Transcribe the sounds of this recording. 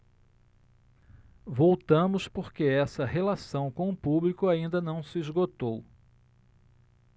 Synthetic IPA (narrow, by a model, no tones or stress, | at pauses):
vowt̪ɐ̃mʊspoɾkeɛsɐɦelasɐ̃w̃kõʊpublikʊaĩnd̪ɐnɐ̃w̃sɪizɡot̪ow